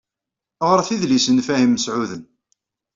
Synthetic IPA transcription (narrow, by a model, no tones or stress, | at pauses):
ʁoɾˤθiðlisənfæhimːəsʕuðən